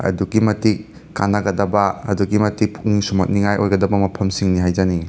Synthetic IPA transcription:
ɐ̰duɡimɐtikː | a̰nɐɡɐdɐbɐɐ̰duɡimɐtik̚pʰu̥k̚nisumɐt̚niŋajʔojɡɐdɐbɐmɐpʰɐmsiŋniɦajd͡ʒɐni

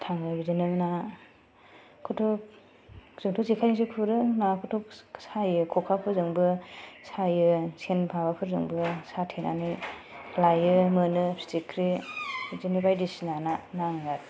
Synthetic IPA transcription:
tʰaŋɯbidɯnɯna | kʰɔtʰɔ | z̥ɯŋtʰɔzikʰajnis̬ɯkʰuɾɯnakʰɔtʰɔksajɯkʰɔkʰakʰɯzɯŋbɯsajɯsʰenpʰabakʰɯɾzɯ̰ŋbɯsatʰena̰nilajɯmɯnɯi̥tikʰɾi | zinibajdisnananaŋɡat

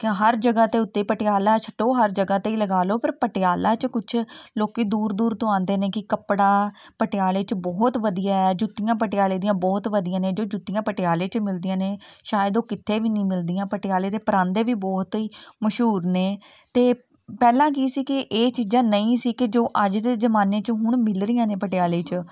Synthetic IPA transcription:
kɦəɾd͡ʒəɡaːt̪eːʊt̪ːeːiːpəʈejaːlaːt͡ʃʰə̥ʈoːɦəɾd͡ʒəɡaːt̪eiːləɡaːloːpəɾpəʈɪaːlaːt͡ʃkʊt͡ʃʰloːkiːd̪uːɾd̪uːɾt̪õãːnd̪eːneːkɪkəpɽaː | pəʈɪjaːleːt͡ʃəbɔːt̪ʋəd̪ijaːɛd͡ʒut̪ːijãːp̬əʈɪjaːleːd̪ijãːbɔːt̪ʋəd̪ɪijãːneːd͡ʒoːd͡ʒut̪ːijãːpəʈɪjaːleːt͡ʃmɪld̪ijãːneːʃaːjəd̪oːkɪt̪ʰːeːʋiːnĩːmɪld̪ɪjãːpəʈɪaːleːt̪eːpəɾãːnd̪eːʋiːbɔːt̪ɦiːməʃɦuːɾneː | t̪eː | pɛːlãːk̬iːsiːkɪʔeːt͡ʃiːd͡ʒãːnəĩːsiːkɪd͡ʒoːʔəd͡ʒd̪eːzəmaːneːt͡ʃəɦʊɳ̃mɪlɾɪjãːnẽːpəʈɪjaːleːt͡ʃ

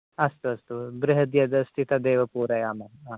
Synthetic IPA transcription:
ɐst̪uɐst̪ubɾɪɦɐd̪jɐd̪ɐsʈ̪it̪ɐd̪eːʋɐpuːɾɐjaːmɐaː

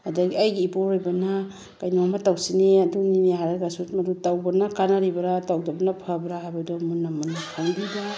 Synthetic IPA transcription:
adaɡiajɡiːpoɾojbɐna | kajnɔmatawsineɐdunineɦaɾaɡasutmɐdutawbɐnakanaɾibɐɾatawdɔbɐnapʰabɾaabadɔmunːamunːakʰaŋdida

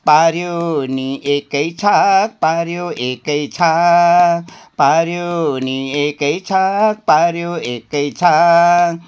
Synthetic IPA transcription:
paɾjoniekəjt͡ʃʰak̚paɾjoekəjt͡ʃʰa | paɾjoniekəjt͡ʃʰak̚paɾjoekəjt͡ʃʰa

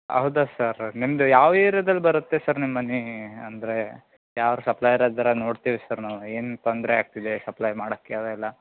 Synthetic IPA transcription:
ɐ̰ɦud̪asɐɾnimd̪ujaːʋeːɾjɐd̪ɐlːbɐɾut̪ːesɐɾnimːɐniɐnd̪ɐɾe̞ | jaːʋɾusɐplɐjɾad̪ɐɾɐno̞ːɽt̪iːʋisɐɾnaueːnt̪ond̪ɾeaːɡ̚t̪id̪e̞sɐplɐjmaːɽokːeɐd̪ɐilːɐ

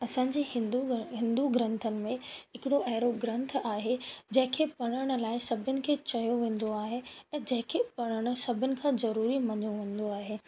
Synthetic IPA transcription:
ɐsãːɲ̆d͡ʑiːɦɪ̃nuɦɪ̃nd̪uɡɾə̃nt̪ʰənɪ̆mẽɦɪkɪɽoʔɐɦɪɾoɡɾɐ̃nt̪ʰaːɦed͡ʑɐ̃ɦɪ̃kʰepɐɽ̃əɽ̃ʊ̆laːɪsɐbʱɪnɪ̆kʰeːt͡ɕɐjoʋẽːn̆d̪oaːɦeɛ̃ːd͡ʑɐ̃ɦɪ̃kʰepɐɽ̃əɽ̃ʊ̆sɐbʱɪnɪ̆kʰãzɐɾuːɾimɐɲoʋẽːn̆d̪oaːɦeː

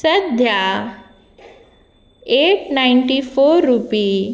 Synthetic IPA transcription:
səd̪ʱja | eʈnaɪɳʈifoɾːupi

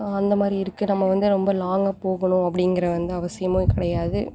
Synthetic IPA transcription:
ɐnd̪ɐmaːd̪ɾiɪɾɯkːɯnɐmːɐʋɐnd̪ɯɾɔmbɐlaːŋɡɐpoːɣɐɳʊ̃ɐpːɐɽɪŋɡɪɾɐʋɐnd̪ɯɐʋɐsɪjɐmoːkɪɽɐjaːðɯ

